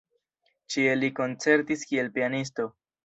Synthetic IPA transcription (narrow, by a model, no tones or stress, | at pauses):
t͡ʃieliko̞nt͡se̞ɾtiskie̞lpianis̬to̞